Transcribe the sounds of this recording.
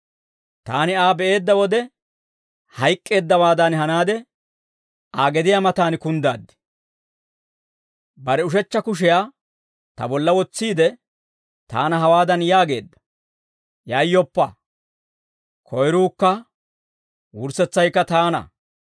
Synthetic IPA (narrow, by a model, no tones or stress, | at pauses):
t̪aːnɪaːbɛʔe̞ːd̪ːɐwɔd̪ɛ | hɐjkʼːe̞ːd̪ːɐwaːd̪ɐnhɐnaːd̪ɛ | aːɡɛd̪ɪjamɐt̪aːnɪkʊnd̪aːd̪ːɪ̥ | bɐɾɛʊʃɛt͡ʃːɐkʊʃ̬ɛjaː | t̪ɐ̰bɔlːɐwɔt͡sːiːd̪ɛ | t̪a̰ːnɐɦɐwaːd̪ɐnjaːɡe̞̰ːd̪ːɐ̥ | jaːjːɔpːɐ | kʰɔjɾuːkːɐ | wʊɾsɛt͡sːɐjkːɐt̪aːnɐ̰